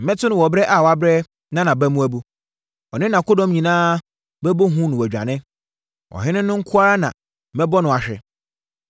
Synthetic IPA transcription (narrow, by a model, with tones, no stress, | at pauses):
m̩˨mɛ̃˦tʰʊ˦nʊ̃˨wɔ˨bɾɛ˦ʔa˨wɔ˨a˨bɾɛ˦ | nã˦nã˨bæ˦mũ˦æ˦bu˦ | ɔ˨nɪ̃˦nã˨kʊ˦dɔ̃˦mɲĩ˨nãː˦ | bɛ˦bo˦ɦũ˦nʊ̃˨wæ˨d͡ʑᶣa̰˨nɪ̃˦ | wɔ̰˨ɦɪ̃˦nɪ̃˦nʊ̃˦ŋ̩˦kʰʊ˦a˦ɾa˦nã̰˨ | mɛ˦bɔ˦nʊ̃˨a˨ɕᶣɛ̰˨